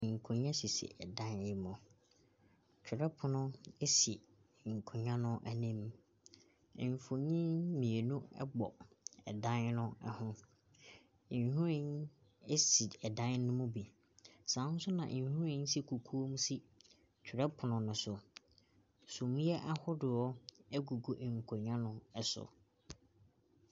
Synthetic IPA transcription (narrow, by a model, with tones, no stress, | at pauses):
ŋ̩˨kʰʊ̃˨ɲã˦si˨sḭ˨ʔɛ˨dã˦nɪ˦mʊ̃˨ | t͡ɕᶣʰɪ˨ɾɛ˦pʰʊ˨nʊ̃˦e˦si˨ | ŋ̩˨kʰʊ̃˨ɲã˦nʊ̃˦ʔæ˦nĩ˦m˨ | ɱ˨fo˨ɲĩ˦mĩ˨e˨nũ˦ɛ̰˦bɔ˨ | ɛ˨dã˦n˦nʊ̃˦ɛ̰˦hʊ̃˦˨ | ɲ˨hʊ̃˦ɾɪ̃˦n˦ | e˦si˨ɛ˨dã˦n˦nʊ̃˦mʊ̃˦bi˨ | sã˨˦sʊ˦nã̰˨ʔhũ˦ɪ̃˦n˦si˨kʰu˨kʰu˦o˦m˦si˦ | t͡ɕʰᶣʊ˨ɾɛ˦pʰʊ˨nʊ̃˨nʊ̃˨sʊ˨ | sũ˨m˦ɛ˦ʔa˦hʊ˦dɪ˨ɔ˦ɛ˦ɡu˨ɡo˨ʔŋ̩˨kʰʊ˨ɲã˦nʊ̃˦ɛ˦sʊ̰˨